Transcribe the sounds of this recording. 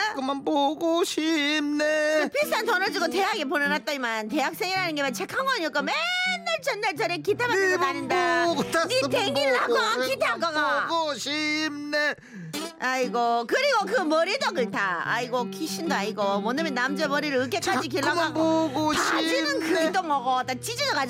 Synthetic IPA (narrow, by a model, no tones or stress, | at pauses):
kɯmanboɡoɕʰimneɯpʰis͈ʰantʌnʌd͡ʑiɡoteɦaɡep̬onɯnat̚t͈ʌimante̞ak̚s͈eŋiɾɦanɯnɡemant͡ɕe̞kʰaŋwʌɲiʌk͈omenːaɭt͡ɕenːaɭt͡ɕaɾekitʰamaɯmanɯndaniteɡiːaɡakitʰakʌɡaɡoɕimne | aiɡokɯɾiɡokɯmʌɾidʌɡɯɭtaa̰iɡokʰiɕʰindoaiɡomʌnɯmjʌnːamd͡ʑemʌɾiɾɯɯk͈ek͈ad͡ʑik̬iɭːaaɡɡoad͡ʑinɯnkɯit͈oŋʌɡʌt͈at͡ɕid͡ʑidokad͡ʑ